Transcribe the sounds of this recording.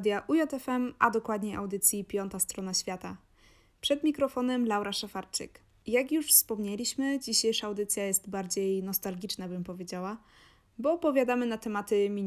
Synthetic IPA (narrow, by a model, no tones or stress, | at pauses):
d̪jaʔujɔt̪ɛfɛmad̪ɔkwad̪ɲɛʔawd̪ɘt̪sʲjipʲjɔnt̪ast̪ɾɔnaɕfʲjat̪a | pʂɛd̪mʲikɾɔfɔnɛmlawɾaʂafaɾt͡ʂɘ̰k | jakjuʂfspɔmɲɛlʲiɕmɘd͡ʑiɕejʂaːwd̪ɘt̪sʲjajɛst̪baɾd͡ʑejnɔst̪alɡʲit͡ʂnabɘmpɔvʲjed͡ʑawa | bɔːpɔvʲjad̪amɘnat̪ɛmat̪ɘmʲiɲ